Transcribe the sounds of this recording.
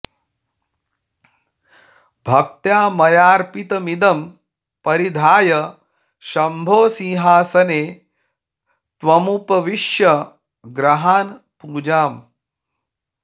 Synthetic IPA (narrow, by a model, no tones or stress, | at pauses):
bʱɐk̚t̪jaːmɐjaːɾpit̪ɐmid̪ɐm | pɐɾid̪ʱaːjɐ | ʃɐmbʱoːsĩɦaːsɐneː | t̪ʋɐmupɐʋiʃjɐ | ɡɾɐɦaːn | puːd͡ʒaːm